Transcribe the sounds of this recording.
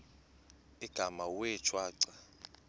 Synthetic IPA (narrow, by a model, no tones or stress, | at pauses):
iɡ̥ʱamawɛt͡ʃʰʼwaːǀa